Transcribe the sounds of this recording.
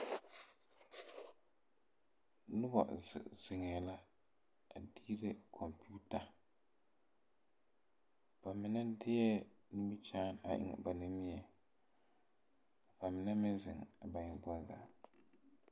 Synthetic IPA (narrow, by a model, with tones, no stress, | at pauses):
nʊ˦ba̰˨zz̥ɪ˨ŋɛ˨la˦ | a˨diː˦ɾe˦kʰɔ˨mpuː˦ta˨ | b̥a˨mɪ˨na˦dɪ˦jɛ˦ni˦mi˦t͡ʃaː˦na̰˨ʔɪ̰˦ŋ̰˨ba˨nɪ˦mi˦ɛ˨ | fa˨mɪ˨na˦mɪ˦nzɪ̰˨ŋ˨ba˨ɲɪ˨bɔ˦za̰˨